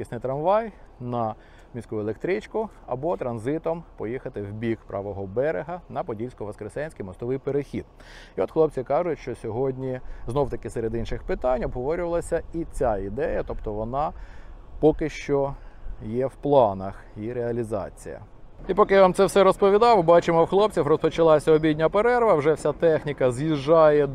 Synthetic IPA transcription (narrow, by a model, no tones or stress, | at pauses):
isʲnɪjt̪ɾɐmʋɑjnɐ | mʲisʲkuʊelˠekt̪ɾɪt͡ʃkʊ | ɐbɔt̪ɾɐnzɪt̪ɔmpɔjixɐt̪ɪwbʲikpɾʔɑ̰ʋɔɦɔbɛɾeɦɐnɐpɔdʲilʲsʲkʊʋɐskɾesɛnʲsʲkijmɔst̪ɔʋɪjpeɾexʲid̪̚ | iɔt̪xlˠɔp̚t͡sʲikɑʒʊtʲʃt͡ʃɔsʲɔɦɔdʲnʲiznɔwt̪ɐkɪseɾed̪inʃɪxpɪt̪ɑnʲɔbɦɔʋɔɾʲʊʋɐlˠɐsʲɐit͡sʲaid̪ɛjɐt̪ɔpt̪ɔʋɔnɑ | pɔkɪʃt͡ʃɔjɛwplˠɑnɐxiɾeɐlʲizɑ̰t͡sʲḭjɐ̰ | ipɔkɪjʋamt̪sɛwsɛɾɔspɔʋʲid̪ɑwbɑt͡ʃɪmɔwxlˠɔpt͡sʲifrɔspɔt͡ʃɐlˠɑsʲɐɔbʲid̪ʲnʲɐpeɾɛɾʋɐwʒɛwsʲat̪ɛxnʲikɐzjiʒːɑjɛ